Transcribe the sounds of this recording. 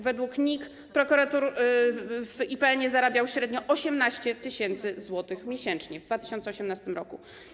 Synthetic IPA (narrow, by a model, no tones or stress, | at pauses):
vɛd̪wukɲik | pɾɔkuɾat̪uɾ | v̥ipɛɛɲɛzaɾabʲjawɕɾɛd̪ɲɔʔɔɕɛmnaɕt͡ɕɛt̪ɘɕɛnt̪sɘzwɔt̪ɘxmʲjeɕɛnt͡ʂɲɛvd̪vat̪ɘɕɔnt̪sɔɕɛmnast̪ɘmɾɔku